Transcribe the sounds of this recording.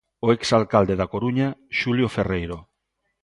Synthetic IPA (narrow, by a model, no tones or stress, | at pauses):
oeksalkald̪e̞ðako̞ɾuɲaʃulio̞fe̞rejɾo̞